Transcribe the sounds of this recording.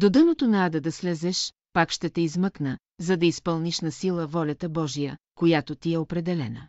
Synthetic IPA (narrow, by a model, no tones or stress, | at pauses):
d̪od̪ənot̪onɐad̪ɐd̪ɐslɛzɛʃ | pakʃt̪ɛt̪ɛizməknə | zɐd̪ɐispəlˠniʃnɐsilˠəvɔlʲɐt̪əbɔʒijə | kojat̪ot̪iɛopɾɛd̪ɛlɛnə